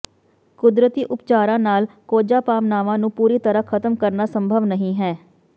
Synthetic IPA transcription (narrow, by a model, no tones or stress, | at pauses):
kʊd̪ɾət̪iːʔʊpt͡ʃaːɾãːnaːlkoːd͡ʒaːpaːmnaːʋãːnũːpuːɾiːt̪əɾəkʰət̪əmkəɾnaːsəmbʱəʋnəɦĩːɦɛː